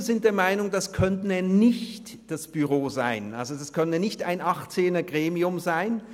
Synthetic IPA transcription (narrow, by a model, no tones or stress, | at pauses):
zɪnt̚d̥eːɐmaɪnʊŋdaskʰœntn̩ɛnɪçt | d̥asb̥yʁoːza̰ɪnʔa̰lzodaskʰœnənənɪçta̰ɪnʔaχt͡seːnɐɡʁeːmiʊmzaɪn